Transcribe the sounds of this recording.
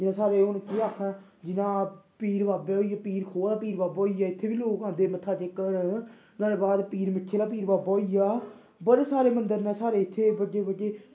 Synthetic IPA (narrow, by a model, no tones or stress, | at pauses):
d͡ʒɪnãːsaːɾeːʊnkeːaːkʰɛ̃ː | d͡ʒɪnãːpiːɾbaːbeːoːiːjaːpiːɾkʰoːlaːpiːɾbaːboːijaːɪt̪ʰːeːʋiːloːkãːd̪eːmət̪ʰːaːt͡ʃeːkəɾ | naːd̪eːbaːd̪piːɾmɪkʰʃeːlaːp̬iːɾbaːbaːiːjaː | bəɾsaːɾeːmənd̪əɾnɛ̃ːsaːɾeːɪt̪ʰːeːbəd͡ʒeːbəd͡ʒeː